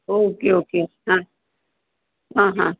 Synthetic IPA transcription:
okeoːkeɦã | ɦãːɦã

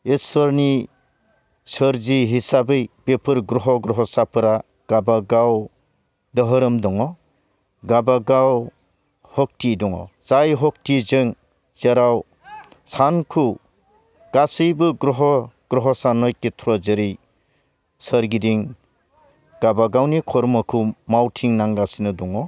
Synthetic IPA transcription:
esɔɾni | sɯɾziɦisabɯjbepʰɯɾɡɾɔɦɔɡɾɔɦɔsapʰɯɾa | ɡ̥abaɡaw | dɯɦɯɾɯmdɔŋɔ | ɡabaɡaw | hɔk̚tidɔŋɔ̰t͡ʃajɦɔk̚tizɯŋ | t͡ʃeɾaw | sankʰu | ɡ̥asɯjbɯɡɾɔɦɔɡ̥ɾɔɦɔsanɔjketʰuɾɔzɯɾij | səɾɡidiŋ | ɡ̥abaɡawnikʰɔɾmɔkʰumawtʰiŋnaŋɡasinɯdɔŋɔ

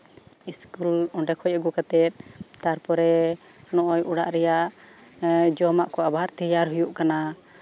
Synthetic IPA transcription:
iskulɔɳɖɛkʰɔjaɡukat̪ɛt̪̚t̪aɾpɔɾɛ | nɔʔɔjuɽaʔɾɛjaʔ | d͡ʒɔmaʔkɔabʱaɾt̪ɛjaɾɦujuʔkana

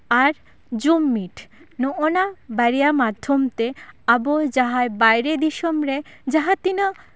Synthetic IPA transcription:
aɾ | d͡ʑumːiʈ | noʔonabaɾijamad̪ʱːomt̪eabod͡ʑaɦajbajɾed̪iʃomɾe | d͡ʑaɦat̪ina

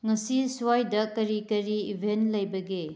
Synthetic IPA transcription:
ŋɐsisuwajdɐkɐɾikɐɾiibʱentlɐjbɐɡe

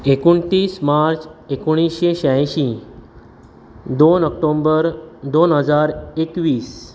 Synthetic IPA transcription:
ekuɳt̪iːsmaɾt͡sekuɽ̃isɕeɕajɕi | d̪onəkʈombəɾd̪onɦəd͡zaɾekʋiːs

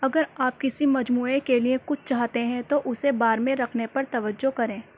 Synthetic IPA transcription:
ɐɡəɾaːp̚kɪsimɐd͡ʒmuːekeliẽkʊt͡ʃʰt͡ʃaːɦt̪eɦɛ̃t̪oʔʊsebaːɾmẽɾɐkʰnepɐɾt̪ɐʋəd͡ʒːokɐɾẽː

